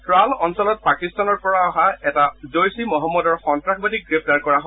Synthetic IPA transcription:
tɹalɔnsɔlɔt̚pakistanɔɹpɔɹaɔɦaɛtazojsimɔɦɔmːɔdɔɹxɔntɹaxbadiɡɹep̚ʰtaɹkɔɹaɦo

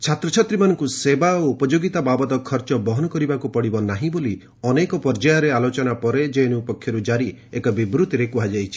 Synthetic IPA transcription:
t͡ʃʰat̪ɾɔt͡ʃʰat̪ɾimanɔŋkusebaoupɔd͡ʒoɡit̪ababɔd̪ɔkʰɔɾt͡ʃɔbɔɦɔnɔkɔɾibakupɔɽibɔnaɦĩboli | ɔnekɔpɔɾd͡ʒajɔɾealot͡ʃɔnapɔɾed͡ʒeenuupɔkʰːjɔɾud͡ʒaɾiekɔbibɾut̪ɾekuɦad͡ʒajt͡ʃʰi̥

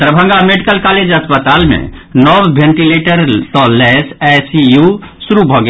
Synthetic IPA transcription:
t̪ɾəbʱə̃ŋɡameɖikəlkaled͡ʒəspət̪almḛ̃nɔbːʱẽɳʈileʈəɾt̪ɔlɛsɛsijusuɾubʱɔɡe

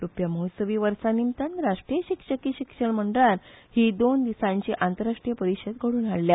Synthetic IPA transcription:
ɾupjaməɦsəʋiːʋəɾsanimt̪anɾaʂʈɾijəɕikʂəkiɕikʂəɳm̤əɳɖəɭaɾhiːd̪ond̪isãɲt͡ɕiʔant̪əɾaʂʈɾijəpəɾiɕəd̪ɡʱəɽuːnaɽlja

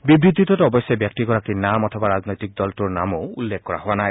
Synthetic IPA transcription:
bibɹit̪ːitɔtɔbɔsjɔbjak̚tiɡɔɹakinamɔtʰɔbaɹaznɔjtik̚dɔltuɹnamoulːekkɔɹa̰ɦowanaj

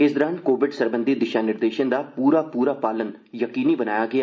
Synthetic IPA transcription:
ɪsd̪əɾaːnkoːʋɪɖsəɾbənd̪id̪ɪʃaːnɪɾd̪eːʃənd̪aːpuːɾaːpuːɾaːpaːlən | jəkiːniːbənaːjaːɡɪaː

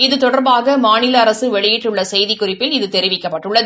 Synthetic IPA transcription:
ɪðɯt̪ɔɽɐɾbaːɣɐmaːnɪlɐːɾɐsɯʋɛɭɪjɪʈːrɯɭːɐsɛjðɪkːʊrɪpːɪlɪðɯt̪ɛɾɪʋɪkːɐpːɐʈːɯɭːɐðɯ

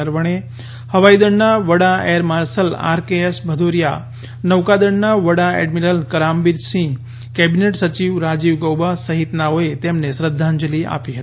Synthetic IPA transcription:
əɾʋəɳ̃e | həʋaid̪əɳnaʋəɽaeɾmaɾsəla̰ɾkeesbʱəd̪ʱoɾja̰ | nəʋkad̪əɳnaʋəɽaɛ̰ɖmiɾəlkəɾambiɾsĩ | kɛbineʈsət͡ʃiʋɾad͡ʒiʋɡəwbasəɦit̪naoet̪emnesɾəd̪ʱːãɲd͡ʒəlia̰piɦət̪i

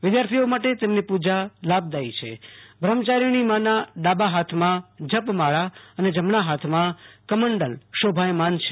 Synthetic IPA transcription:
ʋɪd̪jaɾt̪ʰiomaʈet̪emnipud͡ʒalab̚d̪ait͡ʃʰḛbʱɾəmt͡ʃaɾiɽ̃imãnaɖ̪abaɦat̪ʰmãd͡ʒəpmaɭaəned͡ʒəmɳaɦat̪ʰmãkəməɳɖəlʃobʱajmant͡ʃʰe

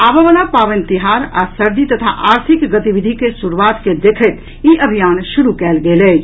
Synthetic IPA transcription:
aːbaʋəlapaːʋə̃nt̪ɪɦaːɾa̰səɾd̪it̪ɐt̪ʰa̰ʔaːɾt̪ʰɪkɡət̪iʋɪd̪ʱikesuɾuwaːt̪ked̪eːkʰət̪ | iʔəbʱijaːnʃʊɾukɛːlɡeːlɛː

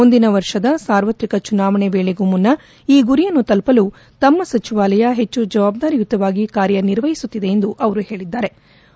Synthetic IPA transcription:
ond̪inɐʋɐɾʂɐd̪ɐsaːɾʋɐt̪ɾikɐt͡ʃunaːʋɐɳebeːɭeɡumunːɐ | iːɡuɾijɐnːut̪ɐlpɐlu | t̪ɐmːɐsɐt͡ʃiʋaːlɐjɐɦe̞t͡ʃːud͡ʒɐʋaːb̚d̪aːɾijut̪ːɐʋaːɡikaːɾjɐniɾʋɐjisut̪ːid̪e̞end̪uʔɐʋɐɾuhe̞ːɭid̪ːaːɾe̞

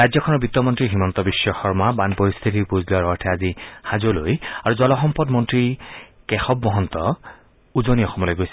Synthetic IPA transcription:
ɹajzɔkʰɔnɔɹbit̪ːɔmɔntɹiɦimɔnt̪ɔbisːɔxɔɹmabanpoɹist̪ʰit̬ipuzlʊaɹɔɹtʰɛazixazolojaɹuzɔlɔxɔmpɔdmɔntɹikɛxɔb̚mɔɦɔnt̪ɔ | uzoniɔxɔmɔlojɡojsɛ

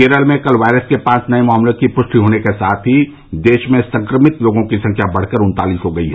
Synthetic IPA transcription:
eːɾəlmẽkɐlʋaːɪɾəskepãːt͡ʃnɐemaːmlekipʊʃʈ̪ʰiɦoːnekesaːt̪ʰɦi | d̪eːʃmẽsɐ̃ŋkɾəmɪt̪loːɡõkisɐ̃ŋkʰjabɐɽ̤kəɾʊ̃nt̪aːliːsɦoɡɐiɦɛ

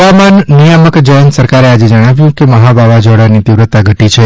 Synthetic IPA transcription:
amanːijəməkd͡ʒəjənsəɾkaɾead͡ʒed͡ʒəɽ̃aʋjũkeməɦabʱaʋad͡ʒɔɽanit̪iʋɾət̪ːaɡʱəʈit͡ʃʰe

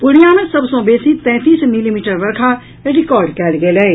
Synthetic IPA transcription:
pʊɽijamẽsɐbsõːbeːsit̪ɛ̃ːt̪iːsmɪlimiːʈəɾʋɐɾkʰa | ɾɪkɔːɾɖkɛːlɡelɛ

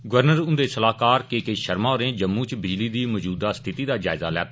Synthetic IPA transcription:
ɡʊʋəɾnəɾʊ̃nd̪eːsəlaːkaːɾkeːkeːʃəɾmãːʊɾẽːd͡ʒəmːũːt͡ʃbɪd͡ʒliːd̪iːmɔd͡ʒuːd̪aːst̪ʰɪt̪iːd̪aːd͡ʒaːɪzaːlɛ̰ːt̪ː

